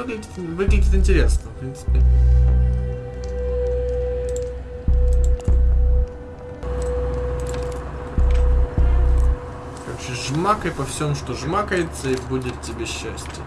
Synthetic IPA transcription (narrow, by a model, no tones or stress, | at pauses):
vɨɡlʲɪdʲɪt̪vɨɡlʲɪdʲɪt̪ɪnʲtʲɪɾʲesnəfpɾʲint̪sɨ̥pʲɪ | kaɕɪʐmakəjpɐfsʲomʂt̪oʐmakəjɪt̪səibudʲɪt̪tʲːɪbʲeɕːæsʲtʲɪ